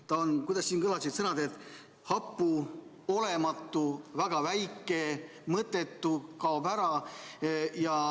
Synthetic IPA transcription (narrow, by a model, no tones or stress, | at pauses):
t̪ɑonkujd̪ɑsʲsiːnkɤlɑsit̪sɤnɑd̪et̪ | hɑpːˑu | o̞le̞mɑt̪ːˑuvæɡ̥ɑvæjkːˑe̞ | mɤt̪ːˑe̞t̪ˑːukɑobæɾɑ | jɑ